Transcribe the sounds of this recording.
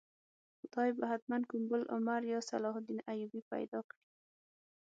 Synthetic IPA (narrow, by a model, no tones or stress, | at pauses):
xʊd̪ɑjbaɦat̪mankʊmbʊlʔʊ̰maɾjɑsa̰lɑhʊd̪inajubipa̰jd̪ɑkɽi